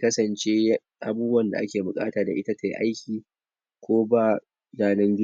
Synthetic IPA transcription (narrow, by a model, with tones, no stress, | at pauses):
kɐ˦sɐ˨nt͡ʃeː˦ | ʔa˨buː˦bʊ˦wɐ˨nda̰˨ʔa̰˦kʲeː˨bʊ˨kʼa̰ː˦taː˨da̰˨ʔɪ˦ta˦tʰa˨jʔa̰˦jkʲiː˨ | kʷoː˦baː˦˨ | jaː˨nɐ˦ŋɡʲɪ˦